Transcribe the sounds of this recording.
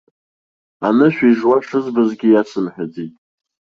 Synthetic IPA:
anɨʃᶣiʐwaʂɨzbazɡʲɪjasɨmħᶣad͡zitʼ

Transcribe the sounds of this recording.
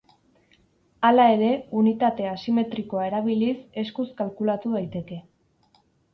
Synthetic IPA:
alae̞ɾe̞unit̪at̪e̞asime̞t̪ɾiko̞ae̞ɾaβilise̞skuskalkulat̪uðajt̪e̞ke̞

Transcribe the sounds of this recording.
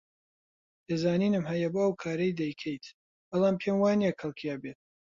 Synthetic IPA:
d̪̥ezaːniːnɨmɦɐjɐboɐwkʰaːɾɐjd̪ɐjkʰɛjt̪ | bɐlˠaːmpʰeːmwaːnijakɐlˠkʰijabeːt̪̚

